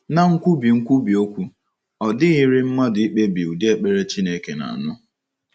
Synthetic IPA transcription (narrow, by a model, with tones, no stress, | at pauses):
na˦ŋ̩˦kʷu˦bi˨ŋ̩˦kʷu˦bi˨o˦kʷu˦ | ɔ˨dɪ˦ɣi˦ɾi˦m̩˦ma˦dʊ˨i˦k͡pe˦bi˨u˨di˦e˦k͡pe˦ɾe˦t͡ʃi˦ne˦ke˨na̰˨nʊ˦